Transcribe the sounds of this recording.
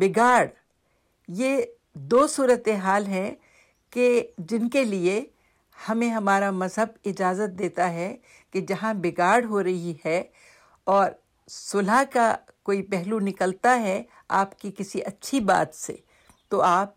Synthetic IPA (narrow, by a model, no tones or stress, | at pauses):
bɪɡaːɖ | je | d̪oːsuːɾət̪eɦaːlɦɛ̃ | ked͡ʒɪnkelie | hɐmẽɦɐmaːɾamɐzɦəbɪd͡ʒaːzət̪̚d̪eːt̪aɦɛ | ked͡ʒɐɦãbɪɡaːɾɖɦoɾɐɦihɛ | ɔːɾ | sʊlaka | koːipɛɦlunɪkəlt̪aɦɛ | a̰ːpkikɪsiʔɐtːʃʰiba̰ːt̪sḛ | t̪oaːp̚